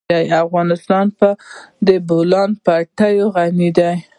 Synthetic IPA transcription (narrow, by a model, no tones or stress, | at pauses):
ajafɣɑnɪst̪ɑnpəd̪əbolɑnpaʈəjoɣanid̪aj